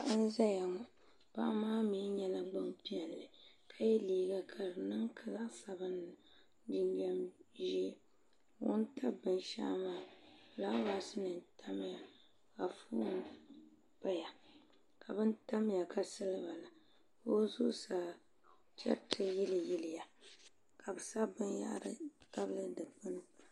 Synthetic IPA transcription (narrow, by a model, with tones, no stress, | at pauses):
a˨ʔn̩˦za˦ja˨ŋɔ˨ | pa̰˦ʔmaː˦mi˨˦ɲɛ˨la˦ɡ͡ba˦mpi˦ɛ˨lːɨ˨ | kʰa˦jɛ˦liː˦ɡa˦kʰa˨ɾnɨ˦ŋkʰa˨za˦sa˨bɨ˦nɨ˨ | di˦ɲɡa˦mʒɛ˦˨ | wʊ̰˦n˦tʰa˦bɨ˨nʃa̰ː˦maː˦˨ | la˦wa˨˦sɨ˦nɨ˨n˦tʰa˦m˦ja˨ | ka˨fuː˦ | pa˦ja˨ | ka˨bɨ˦n˦ta˦m˦ja˨kʰa˨sɨ˦lɨ˦ba˨la˨ | o˦zu˦sa˨ | t͡ʃɛ̰˦tʰɨ˦jɪ˦lɨ˨jɪ˦lɪ˨ja˨ | kʰa˨bɨ˨sa˦bɨ˦nja̰˦ʔɾɨ˦ta˦blɨ˦dɨ˨pɨ˦nɨ˦